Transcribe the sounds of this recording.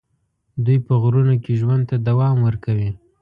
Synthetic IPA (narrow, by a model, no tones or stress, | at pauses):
d̪ujpəɣɾunokeʒwand̪̚t̪ad̪awɑmwəɾkawi